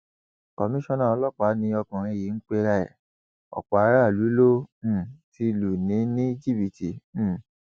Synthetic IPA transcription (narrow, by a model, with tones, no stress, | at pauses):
kɔ˨mĩ˦ʃɔ̃˦nã˦˨ɔ˧lɔ˦˨k͡pa˨˦nĩ˧ɔ˧kũ˨ɾ̃ĩ˧e˧ji˨˦n̩˦k͡pe˦ɾa˧ɛ̰˨ | ɔ̰˨k͡pɔ˨a˨˧˦ɾa˦˨lu˨˦lõ˦˨ | ti˧lu˨nĩ˨˦nĩ˦d͡ʒi˦˨bi˨tĩ˨˦˨